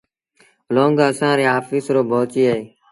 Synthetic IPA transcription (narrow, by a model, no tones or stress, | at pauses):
loːŋɡəsãːɾeːɦaːfisɾoːbʱoːt͡ʃiːeeː